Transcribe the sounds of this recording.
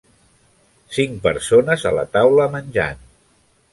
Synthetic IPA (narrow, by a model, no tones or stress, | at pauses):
siŋpəɾsonəzə̰lə̰t̪awləmənʲʒa̰n